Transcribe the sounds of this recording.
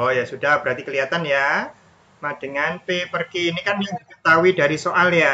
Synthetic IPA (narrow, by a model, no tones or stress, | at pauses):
ɔjasudahbəɾat̪ikəliat̪anja | mad̥əŋanpepərkiːnikanakət̪awidaɾisoʔalja